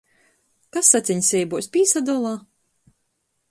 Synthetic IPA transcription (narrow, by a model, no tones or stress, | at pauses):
kasːat̪sʲiɲʲsʲɛjbuɔsʲpʲiːsad̪ɔːlˠaː